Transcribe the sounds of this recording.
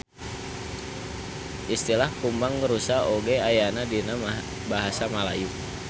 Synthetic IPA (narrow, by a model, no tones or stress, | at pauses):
ʔist̪ilahkumbaŋɡəɾusaoɡeajanadina | baɦasamalaju